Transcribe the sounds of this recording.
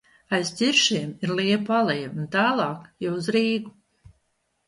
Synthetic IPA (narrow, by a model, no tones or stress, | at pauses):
ajst̪ʲiɾʃiɛmiɾlˠiɛpalˠɛjunt̪aːlˠɑːkjɛwuzɾiːɡu